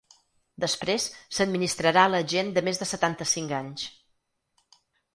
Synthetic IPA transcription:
d̪əspɾesːəd̪̚minist̪ɾəɾaləʒend̪əmezðəsət̪ant̪əsiŋkaɲs

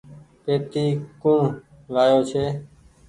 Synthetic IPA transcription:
peːt̪iːkũː | laːjoːt͡ʃʰeː

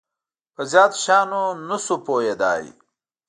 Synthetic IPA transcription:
pɐzjaːd̪ɕaːnonusupoːjed̪a̰ːḭ

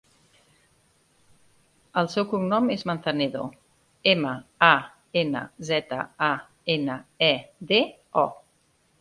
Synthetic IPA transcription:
əlˠsɛwkuŋnɔmezmənθəneðo | eməa | enə̰zɛt̪ə̰a | enəɛde | ɔ

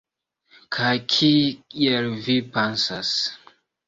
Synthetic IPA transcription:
kʰajkʰiielvipensas

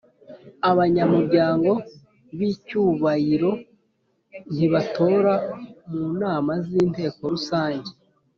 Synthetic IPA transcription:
aβaɲamuɾɟaːŋɡo̞ | βicuːβajiɾo̞ | n̥iβato̞ːɾamuːnaːmaziːnte̞ːko̞ɾusaːɲɟe

